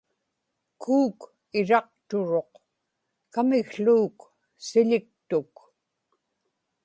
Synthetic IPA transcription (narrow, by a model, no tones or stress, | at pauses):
kʰuːk | ɪɻɑq̚t̪ʊɻo̞q | kamɪɣɬuːk | sɪʎɪk̚t̪ʊk